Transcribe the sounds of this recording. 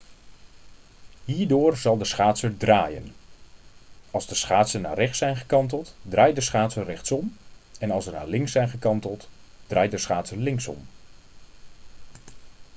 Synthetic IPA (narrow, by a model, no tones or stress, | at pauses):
ɦiːɹdʊːrzɑlˠdəsχaːtsəɹdraːjə̰n | ɑlˠzdəsχaːtsəna̰ːrɛχtsɛjnχəkɑnt̬əlˠtdrʔaːjdəsχaːtsərɛχtsɔmɛnɑlˠsəna̰ːlɪŋsɛjnχəkɑntəlˠtd̥rʔaːj̚dəsχaːtsəlɪŋsɔ̰m